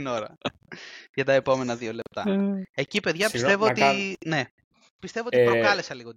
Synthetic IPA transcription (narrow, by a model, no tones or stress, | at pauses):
ino̞ɾɐ | ʝɐt̪ɐepo̞me̞nɐðio̞le̞p̚t̪ɐe̞cipe̞ðʝɐpise̞voot̪ine̞ | pist̪e̞voiiɾokɐle̞sɐliɣo